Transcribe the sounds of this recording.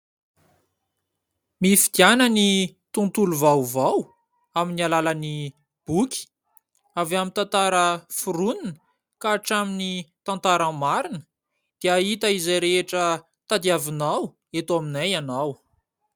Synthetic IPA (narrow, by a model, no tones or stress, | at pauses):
mifid̪ianənit̪unt̪uluvawvaw | aminialaləni | b̥ukʲi̥ | avamint̪ãnt̪aɾəfuɾuninə | kaːʈ͡ʂaminit̪ãnt̪aɾəmaɾinə̥ | d̪̥eait̪əizajɾeeʈ͡ʂə | t̪ad̪iavinaw | et̪aminajanaw